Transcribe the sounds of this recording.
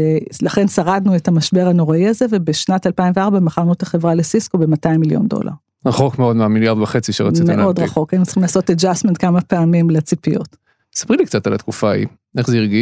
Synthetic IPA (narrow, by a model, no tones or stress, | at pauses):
elaχe̞nsaʁadnuetamaʃbe̞ʁano̞ʁaiazevebeʃnatalpaimveaʁbameχanutaχe̞vʁalesiskobe̞mataimːiljo̞̰ndo̰lʔa̰ʁ | ʁaχo̞kmeo̞d̪meamiljaʁd̪vaχe̞t͡siʃeʁaimtenʔo̞dʁaχo̞kajnut͡siχimlaːso̞ted͡ʒastmentkamapeamimlet͡sipijot | sḁpʁilikt͡sat̪alat̪kufaḭ | ʔe̞χzeiʁɡi